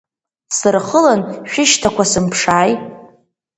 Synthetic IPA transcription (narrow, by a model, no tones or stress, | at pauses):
sɨrχəlanʃᶣɪʃtʰakʷasɨmpʰʂaːj